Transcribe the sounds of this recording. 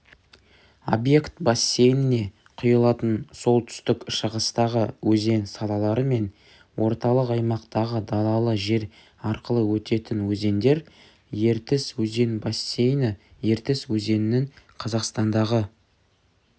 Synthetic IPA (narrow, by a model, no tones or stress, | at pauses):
o̞̰bje̞kt̪bɑsʲːe̞jnɪne̞ | qʰʊjlˠɑt̪ənso̞lˠt̪ʰʏ̥st̪ɪkʃəʁəst̪ɑʁəwɵze̞nsɑlˠɑlˠɑɾəme̞n | wʔo̞ɾt̪ɑlˠəqɑjmɑqt̪ɑʁəd̪ɑlˠɑlˠəʒe̞ɾ | ɑɾqəlˠəwɵt̪e̞t̪ɪnwɵze̞nd̪e̞ɾ | je̞ɾt̪ɪswɵze̞nbasːe̞jnəje̞ɾt̪ɪswɵze̞nɪnɪŋqʰɑzɑqst̪ɑnd̪ɑʁə